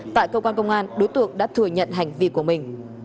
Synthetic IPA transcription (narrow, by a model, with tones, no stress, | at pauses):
t̪a̰ː˧˨jkə˧kwaː˧nkə˧wŋ͡mʔaː˧nɗo˨˦jt̪ɨ̰˧˨˩əŋɗa̰ː˧˥t̪ʰɨ˧˩əɲə̰˧˨nɦa˨˩jŋ̟vḭ˧˨ku˧˩əmï˨˩ŋ̟